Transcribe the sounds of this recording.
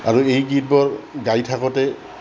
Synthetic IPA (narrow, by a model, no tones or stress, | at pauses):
aɹuejɡit̚bɔɹɡajtʰakɔtɛ